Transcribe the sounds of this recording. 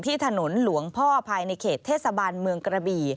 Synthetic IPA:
t̪ʰiː˥˩t̪ʰa˧no˩˦nlu˩˦əŋpʰɔː˥˩pʰaː˧jna˧jkʰeː˨˩tt̪ʰːeː˥˩t̪sa˧baː˧nmɯ˧əŋkɾa˧biː˧˩

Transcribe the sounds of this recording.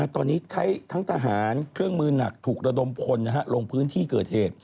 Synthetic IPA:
t̪ɔː˧nːiː˦˥t͡ɕʰa˦˥jt̪ʰa˦˥ŋt̪ʰa˧ɦaː˩˦nkʰɾɯ˥˩əŋmɯː˧na˨˩k̚t̪ʰuː˨˩k̚ɾa˧do˧mpʰo˧nːa˦˥ɦa˦˥lo˧ŋpʰɯː˦˥nt̪ʰiː˥˩kɤː˨˩t̪̚heː˨˩t̪̚

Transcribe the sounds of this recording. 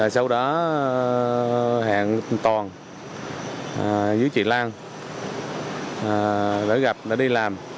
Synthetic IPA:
a˨˩jsa˧wɗɔ˨˦ | ha̰ː˧˨nt̪ɔ˨˩n˨˩ | zɨ˨˦jt͡ɕḭ˧˨laː˧ŋ˨˩ | ɗə̰ː˧˦ɣa˨˩p̚ɗə̰˧˩˦ɗi˧laː˨˩m

